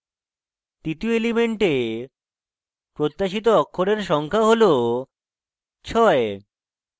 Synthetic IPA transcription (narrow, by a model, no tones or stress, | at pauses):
t̪it̪ioelimeɳʈe | pɾot̪ːaʃit̪̬oɔkʰːoɾeɾʃɔŋkʰaɦolo | t͡ɕʰɔe